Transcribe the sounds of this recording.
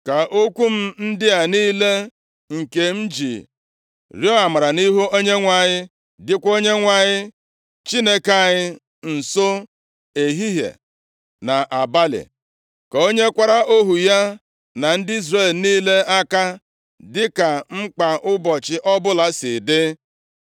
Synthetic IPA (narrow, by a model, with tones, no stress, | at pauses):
ka˨ʔo˦kʷu˦m̩˦n̩˦dɪ˦a˨niː˦le˦ | ŋ̩˨ke˨m̩˦d͡ʒḭ˨ | ɾjo˦a˨ma˨ɾa˨ni˦ɦu˦o˦ɲe˦ŋʷa˨ɲɪ˦ | dɪ˦kʷo˦ɲe˦ŋʷa˨ɲɪ˦ | t͡ʃi˦ne˦ka˦˨ɲɪ˦ | n̩˨so˦ | e˨ɦi˦ɦḛ˨ | na˨ʔa˨ba˦lɪ̰˨ | ka˨o˦ɲe˦kʷa˦ɾa˦ʔo˦ɦu˨ja˦ | na˨n̩˦dɪ˦i˦zre˨lniː˦le˦a˦ka˦ | dɪ˦ka˨ŋ͡m̩˦k͡pa˨ʔʊ˦bɔ˨t͡ʃɪ˦ʔɔ˦bʊ˦la˨sɪ˨dɪ˦